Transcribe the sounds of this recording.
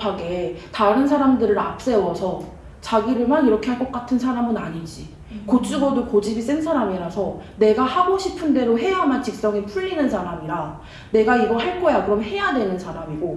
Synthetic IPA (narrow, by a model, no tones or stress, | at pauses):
paɡe̞taɾɯnsʰaɾamdɯɾɯɾap̚s͈e̞wʌsʰʌ | t͡ɕaɡiɾɯɭmaniɾʌkʰe̞ɦaɭk͈ʌk͈atʰɯnsʰaɾamɯnaɲind͡ʑi | kot͡ɕ͈uɡʌdokod͡ʑibis͈ensʰaɾamiɾasʰʌne̞ɡahaɡoɕʰipʰɯnde̞ɾoɦe̞jamant͡ɕik̚s͈ʌŋipʰuʎːinɯnsʰaɾamiɾa | ne̞ɡaiɡʌhaɭk͈ʌjakɯɾʌmhe̞jadwe̞nɯnsʰaɾamiɡo